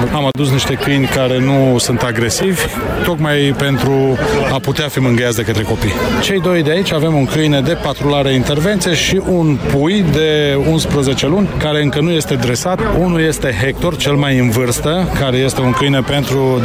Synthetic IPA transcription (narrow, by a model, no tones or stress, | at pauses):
amad̪us̬niʃt̪e̞kɨjnʲkaɾe̞nusunt̪aɡɾe̞sivʲ | t̪o̞kmajpe̞nt̪ɾuaput̪eafimɨŋɡəjatsd̪e̞kət̪ɾe̞ko̞pijt͡ʃe̞jd̪o̞jd̪eait͡ʃʲavemuŋkɨjned̪e̞pat̪ɾolaɾeaint̪e̞rve̞nt̪sijeʃiʔunpujd̪e̞unspɾəze̞t͡ʃe̞lunʲkaɾe̞ɨŋkənuje̞st̪e̞d̪ɾe̞sat̪unulje̞st̪e̞ɦe̞k̚t̪o̞rt͡ʃe̞lmajɨnvɨrst̪əkaɾe̞je̞st̪e̞uŋkɨjnəpe̞nt̪ɾu